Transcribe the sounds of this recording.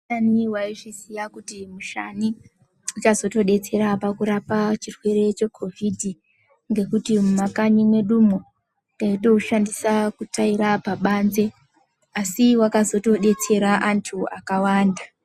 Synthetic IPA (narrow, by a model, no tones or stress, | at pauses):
aniwaiʐisijakutimuʃaniː | t͡ʃazo̞to̞ɗe̞t͡se̞ɾapakuɾapat͡ʃirwe̞ɾe̞t͡ʃe̞kʰo̞vʱidʱi | ŋɡe̞kutimumakaɲimwe̞ɗumo | ndaito̞ʃandisakutaiɾapaɓaːnze̞ | asiwakazo̞to̞ɗe̞t͡se̞ɾaʔantʰuakawaːnda